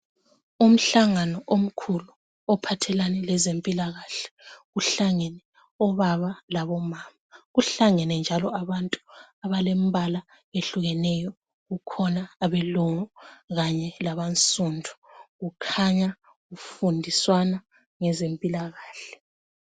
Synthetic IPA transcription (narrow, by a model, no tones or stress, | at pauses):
um̩ɬaŋanɔʔom̩kʰulu | ɔpʰatʰɛlanɛlɛzempʼilaɣaɬɛ̥ɣuɬaŋɛnɛ | ɔβaβalaβɔmaːmaɣuɬaŋɛnɛnd͡ʒʱalɔaβantʼuaβalem̩βala | eɬuɣɛnɛjɔ | ɣukʰɔnaːβɛlɔŋɔɣaɲɛlaβant͡sʼundʱu̥ɣukʰaɲa | ɣufundʱiswana | ŋɛzempʼilaɣaːɬɛ̥